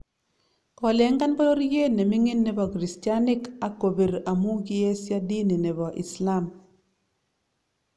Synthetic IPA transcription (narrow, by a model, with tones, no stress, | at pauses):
kɔ˨le˨˦ŋɡa˦nba˦lo˦ɾje˦ne˨mi˦ŋi˦nːe˨bɔ˨kɾi˨stja˦nɪ˦ka˨ko˨be˨ɾa˨mu˦ɡi˦je˦sja˦di˦ni˨ne˨bɔ˨ʔḭ˨sla˦˨m